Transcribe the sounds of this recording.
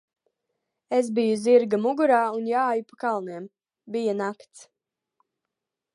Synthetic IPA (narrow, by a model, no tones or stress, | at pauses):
esbijuziɾɡamuɡuɾaːunjaːjupakalˠniɛm | bijanakt̪s